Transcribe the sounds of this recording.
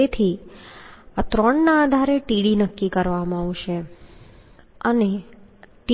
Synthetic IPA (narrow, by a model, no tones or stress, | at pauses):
et̪ʰi | at̪ɾəɳnaːd̪ʱaɾeʈiɽinəkːikəɾʋam̃aʋʃe | əneʈi